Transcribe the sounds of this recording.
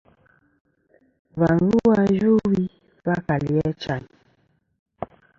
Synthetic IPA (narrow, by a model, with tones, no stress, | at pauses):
va˨n˦zu˦wa˦d͡ʒu˦wi˦ | va˦ka˨li˨ɛ˦t͡ʃa˨ɲ